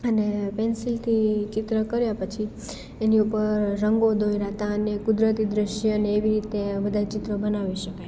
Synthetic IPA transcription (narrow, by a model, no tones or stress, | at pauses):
ənepɛnsilt̪ʰit͡ʃɪt̪ɾəkəɾjapət͡ʃʰi | eniupəɾːəŋɡod̪ojɾat̪aənekʊd̪ɾət̪id̪ɾɪʃəneːʋiɾit̪ebəd̪ʱat͡ʃɪt̪ɾəbənaʋiʃəkaj